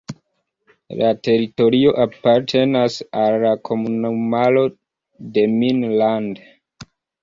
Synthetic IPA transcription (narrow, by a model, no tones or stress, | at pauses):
late̞ɾito̞ɾio̞ʔapaɾtʰe̞nasalːakʰo̞munomalo̞ | de̞minland